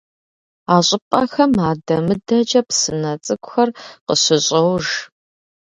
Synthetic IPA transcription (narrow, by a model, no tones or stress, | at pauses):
aːɕʼɪpʼɐxɐmaːdɐmɨdɐd͡ʒʼɐpsɨnɐt͡sʼɨkʷʼʊxɐrqəɕɪɕʼɐwʒ